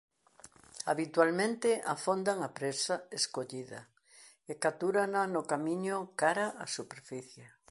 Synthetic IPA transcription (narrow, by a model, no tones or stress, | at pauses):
aβit̪walmẽnt̪ɪafond̪aŋapɾesaeskoʎiðɐ̰ | ekat̪uɾananʊkamĩɲʊkaɾaʔasupeɾfiθje